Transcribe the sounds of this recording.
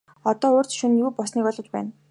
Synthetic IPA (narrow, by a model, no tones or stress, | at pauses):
ɔt̪ɔːoːr̥t͡sʃunjuːpɔsniːkɔɮɞ̆t͡ɕpæːn